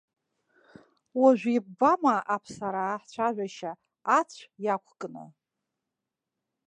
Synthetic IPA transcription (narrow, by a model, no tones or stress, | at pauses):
waʒᶣʷib̚ːamaʔapʰsaɾaħt͡ɕʷʰaʒᶣʷaʃaː | t͡sʷʰjakʷʰkʼɨno̰